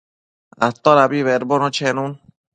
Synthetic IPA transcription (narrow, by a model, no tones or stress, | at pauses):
a̰t̪ːɔɾabiβɛɾbɔnɔt͡ʃʰɛnun